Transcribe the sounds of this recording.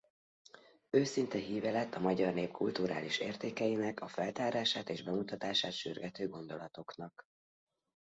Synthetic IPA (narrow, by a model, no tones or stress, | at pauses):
øːsint̪ɛɦiːvɛlɛt̪ːɒmɒɟɒrneːpkult̪uɾa̰ːliʃeːrt̪eːkɛjinɛkɒfɛlt̪aːɾaːʃaːt̪eːʒbɛmut̪ɒt̪aːʃaːt̪ʃy̰rɡɛt̪øːɡo̞nd̪o̞lɒt̪o̞knɒk